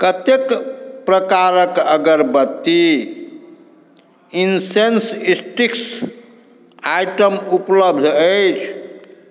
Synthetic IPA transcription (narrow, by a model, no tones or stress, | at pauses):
kət̪ekpɾəkaɾəkəɡəɾbət̪ːi | insensisʈiks | ajʈəmupləbd̪ʱəjt͡ʃʰ